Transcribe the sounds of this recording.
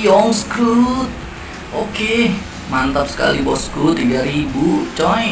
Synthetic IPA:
jɔŋskɾut̪̚ | oke | mant̪ap̚sə̥ka̰libɔ̰skɾut̪ːiɡaɾibut͡ʃɔ

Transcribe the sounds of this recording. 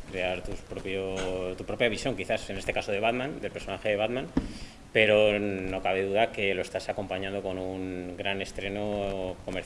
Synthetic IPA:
kɾe̞aɾt̪uspɾopjot̪upɾo̞pjaβisjo̞ŋkiθase̞ne̞st̪e̞kaso̞ð̞e̞βaðmãnd̪elpe̞ɾso̞naxeðe̞β̞aðmãn | pe̞ɾo̞no̞kaβ̞e̞ðuðake̞lo̞e̞st̪asako̞mpaɲãnd̪o̞ko̞nuŋɡɾane̞st̪ɾe̞no̞ko̞me̞ɾ

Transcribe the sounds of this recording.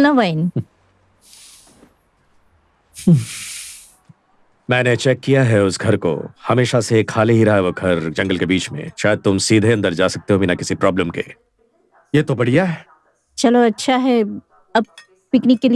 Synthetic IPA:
naʋaɪn | mɛ̃ːnet͡ʃɛːkːijaɦɛʊsɡʱɐɾko̰hɐmeːʃasekʰaːleɦiɾɐɦaʋoɡʱɐɾd͡ʒɐ̃ŋɡəlkebiːt͡ʃmḛ̃ʃaːjəd̪̚t̪ʊmsiːd̪ʱeɐ̃nd̪əɾd͡ʒaːsɐk̚t̪eɦobinakɪsipɾɔːbləmkḛː | jeːt̪obɐɽ̤ijaɦɛː | t͡ʃɐloɐtːʃʰaɦɛ | ɐb̚ | pɪknɪkːeli

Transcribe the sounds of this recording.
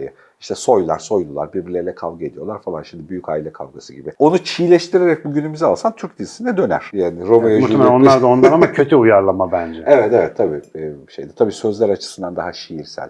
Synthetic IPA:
ja | iʃt̪ʰɛso̞jlˠa̰ɾ̥so̞jlˠulˠaɾbiɾbiɾlʲelʲɛkʰavˠɡae̞d̪ijo̞lˠaɾfalˠanʃimd̪ibyjycaːilʲɛkʰa̰vɡasɯɟibɪo̞nut͡ʃʰijlʲɛʃt̪ʰiɾeɾɛc̚buɟynymyzɛalˠsant̪ʰyɾcd̪izisinɛd̪ø̞næ̰ɾ̥jaːniɾo̞majmut̪ːemelʲæonlˠaɾd̪ao̞nlanamacʰø̞t̪ʰyujaɾlˠamabænd͡ʒɛevɛt̪evɛt̪ʰːabiːʃe̞jd̪ɛt̪ʰabiːsø̞zlʲæɾat͡ʃʰɯ̥sɯnd̪and̪aɦaʃijiɾsæ̰lʲ

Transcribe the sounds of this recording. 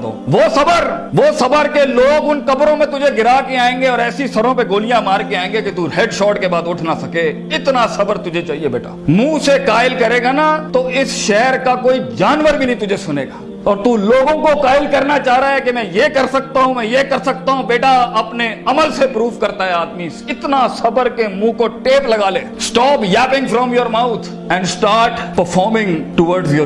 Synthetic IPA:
o̰ːʋoːsɐbəɾ | ʋoːsɐbəɾkeloːɡʊnkɐbɾõmẽt̪ʊd͡ʒʱeɡɪɾaːkeaːẽːŋɡeɔːɾɛːsisɐɾõp̬eɡoːlijãmaːɾkeaːẽːŋɡeket̪uɦeːɖʃɔːʈkebaːd̪ʊʈʰnasɐke | ɪt̪nasɐbəɾt̪ʊd͡ʒʱet͡ʃaːɦiebeːʈa̰ːmũːsekaːɪlkɐɾeːɡanat̪oɪsʃɛːɾkakoːid͡ʒaːnʋəɾbʱinɐɦĩt̪ʊd͡ʒʱesʊnḛːɡaː | ɔːɾt̪uloːɡõkokaːɪlkɐɾnat͡ʃaːɦɾaɦɛkemɛ̃jekɐɾsɐk̚t̪aɦũmɛ̃jekɐɾsɐk̚t̪aɦũbeːʈaɐpneɐməlsepɾuːfkɐɾt̪aɦɛaːd̪misɪt̪nasɐbəɾkemũːkoʈeːplɐɡaːleːsʈɔːpjɛːpɪ̃ŋɡfɾɔ̃ːmjoːɾmaʊt̪ʰ | ɛ̃ɳɖsʈaːɾʈpəɾfʰɔːɾmɪ̃ŋʈʊʋəɾɖsjo

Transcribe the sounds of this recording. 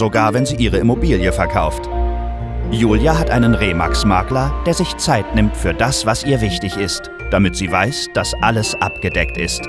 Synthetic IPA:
zoɡaːɐvɛnziːʔiːʁ̞əɪmobiːljəfɛɐkʰa̰ʊft | juːljaɦatʔaɪnənʁeːma̰ksmaɐklɐd̥eːɐzɪçt͡saɪtnɪmtfyːɐdasv̥asʔiːɐvɪçtɪçɪst | d̥amɪtz̥iːvaɪsd̥asʔaləsʔapɡ̥ədɛktɪ̰st

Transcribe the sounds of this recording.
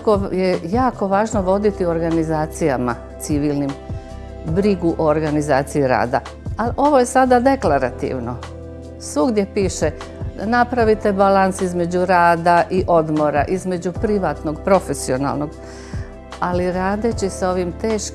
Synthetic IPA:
kojejaːko̞ʋaːʒno̞ʋo̞d̪it̪ioɾɡanizaːt̪sijama̰ | t̪siʋiːlnim | bɾiɡuʔooɾɡanizaːt̪sijiɾa̰ːd̪a̰ | alʔo̞ʋo̞je̞sad̪ad̪e̞klaɾat̪ḭʋno̞ | suɡd̪je̞piːʃe | napɾaʋit̪e̞balansizme̞d͡ʑuɾaːd̪aʔiʔo̞d̪mo̞ɾa̰ʔizme̞d͡ʑupɾiʋaːt̪no̞ɡpɾo̞fe̞sio̞na̰lˠno̞ɡ | aliɾaːd̪et͡ɕisao̞ʋimt̪e̞ːʃk

